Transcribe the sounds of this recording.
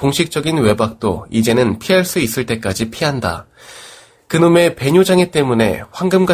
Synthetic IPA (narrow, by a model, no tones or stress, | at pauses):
koŋɕʰik̚t͡ɕ͈ʌɡinwe̞bak̚t͈o̰id͡ʑe̞nɯnpʰiɦaɭs͈uis͈ɯɭt͈e̞k͈ad͡ʑipʰiɦanda̰ | kɯnome̞pe̞ɲud͡ʑaŋit͈e̞mune̞̰ɸwaŋɡɯmɡa